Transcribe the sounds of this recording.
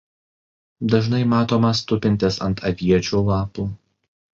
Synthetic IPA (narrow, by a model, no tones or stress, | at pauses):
d̪ɐʒnɐɪmɑːt̪oːmɐst̪ʊpʲɪnʲt̪ʲɪsɐnt̪ɐʋʲiɛt͡ʃʲuːlˠɑːpuː